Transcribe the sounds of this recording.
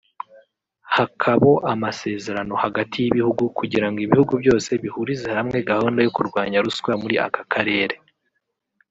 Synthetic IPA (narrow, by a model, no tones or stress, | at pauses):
hakʰaβo̞ʔamase̞ːze̞ɾano̞haɡatʰijiβihuɡukʰuɟiɾaŋɡoiβihuɡubjo̞ːse̞βihuɾizehɾamŋe̞ɡahoːndajo̞kuɾɡwaːɲaɾusɡwamuɾiʔa̰kakʰaɾe̞ːɾe̞